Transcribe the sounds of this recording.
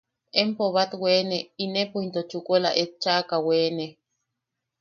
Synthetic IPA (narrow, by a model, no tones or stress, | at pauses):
empoβat̪weneinepuint̪ot͡ʃukʼola̰ʔet̪̚t͡ʃakaweːne